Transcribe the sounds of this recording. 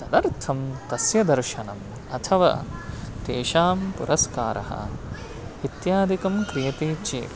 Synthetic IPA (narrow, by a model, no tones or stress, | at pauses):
t̪ɐd̪ɐɾt̪ʰɐmt̪ɐsjɐd̪ɐɾʃɐnɐm | ɐt̪ʰɐʋɐ̰t̪eːʃaːmpṵɾʔɐskaːɾɐ̰hɐ̰ | it̪jaːd̪ʱikɐmkɾijɐt̪eːt͡ʃḛːp